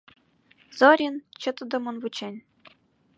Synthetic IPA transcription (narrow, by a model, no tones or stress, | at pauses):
zɤ̆ɾʲint͡ɕɤ̆t̪ɤ̆d̪ɤ̆mɤ̆nvut͡ɕenʲ